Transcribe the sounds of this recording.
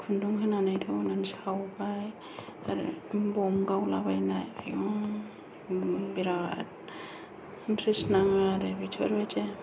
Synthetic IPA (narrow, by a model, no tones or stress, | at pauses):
kʰunduŋɦɯnanajtʰabnansawɡaj | a̰ɾɯ̰bɔmɡawlabajnajajɔ | biɾat̚ | nkʰɾisnaŋaɾɯbit͡ʃʰɔɾbajd͡ʒe